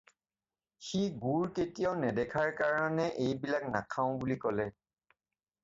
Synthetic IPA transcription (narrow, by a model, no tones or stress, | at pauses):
xiɡuɹketijaʊnɛdɛkʰaɹkaɹɔnɛʔejbilaknakʰaʊ̃bulikɔlɛ